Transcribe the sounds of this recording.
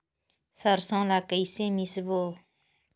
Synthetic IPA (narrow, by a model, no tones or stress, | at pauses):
səɾsɔ̃lakəjsẽmisbo